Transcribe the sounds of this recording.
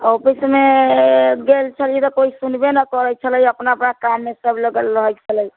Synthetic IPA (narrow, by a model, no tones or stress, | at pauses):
opisme | ɡelt͡ʃʰəlet̪ɔkoisunbenəkɔɾət͡ʃʰələjəpnaəpnakamːesəbʱləɡəlɾəɦɛt͡ʃʰələj